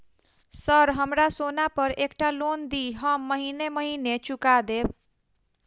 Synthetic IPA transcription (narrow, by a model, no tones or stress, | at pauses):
səɾɦəmɾasonapəɾekʈalond̪iɦəmːəɦineməɦinet͡ʃukad̪eb̚